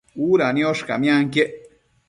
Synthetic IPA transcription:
uːɾanĩoʂkamj̃ãŋkjeʔ

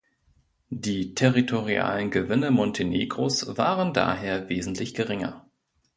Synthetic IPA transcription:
d̥iːtʰɛʁitʰoʁia̰ːlənɡəvɪnəmɔntʰenḛːɡʁosv̥aːʁənda̰ːɦeːɐveːzn̩tʰlɪçɡ̥əʁɪŋɐ̰

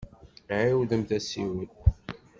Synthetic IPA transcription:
ʕiwðəmθæsiwəl

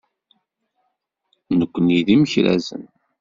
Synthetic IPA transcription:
nəkʷːəniðiməçɾæ̰zə̰n

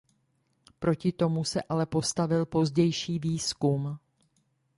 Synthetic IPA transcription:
pɾo̞cɪt̪o̞musɛ̰ʔalɛpo̞st̪avɪlpo̞zɟɛjʃiːviːskum

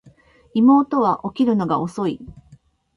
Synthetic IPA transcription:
imo̞ːt̪o̞βaʔo̞kʲiɾɯ̟no̞ɡao̞so̞i

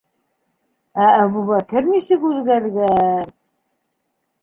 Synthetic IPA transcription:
æːβuβækɘɾnisɘkʉðɡæɾɡæɾ

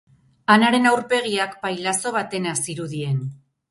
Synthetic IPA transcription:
anaɾe̞nawɾpe̞ɣ̞iakpajlaso̞β̞at̪e̞nasiɾuðie̞n

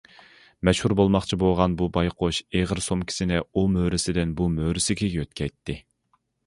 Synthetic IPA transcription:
mɛʃhuɾbolˠmɑχt͡ʃʰiboʁɑnbubɑjqʰoʃeʁəɾsomkʲʰi̥sɪnɪumøːɾɪsɪd̪ɪnbumøːɾɪsɪkʲʰiøt̪̚kʲʰɛjt̪ʰːɪ

